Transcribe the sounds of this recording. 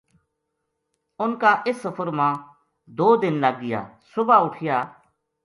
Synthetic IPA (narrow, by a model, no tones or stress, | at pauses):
ʊnkaːʔɪsːəfʰəɾmãː | d̪oːd̪ɪnləɡ̚ɡɪja̰ːsʊbaːʊʈʰɪjaː